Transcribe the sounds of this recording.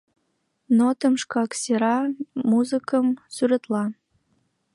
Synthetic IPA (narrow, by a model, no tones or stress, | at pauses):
not̪əmʃkɑksʲeɾɑmuzɨkəmsyɾə̆t̪lɑ